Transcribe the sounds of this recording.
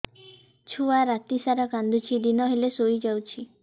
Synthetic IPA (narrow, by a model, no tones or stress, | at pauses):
t͡ʃʰuaɾat̪isaɾakand̪ut͡ʃʰid̪inɔɦelesojd͡ʒawt͡ʃʰi